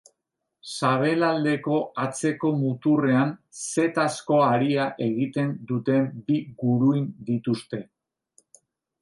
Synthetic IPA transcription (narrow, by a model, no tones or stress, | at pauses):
saβ̞e̞lald̪e̞ko̞at͡se̞ko̞mut̪ure̞anse̞t̪asko̞aɾiaʔe̞ɣit̪e̞nd̪ut̪e̞mbiɣuɾuind̪it̪ust̪e̞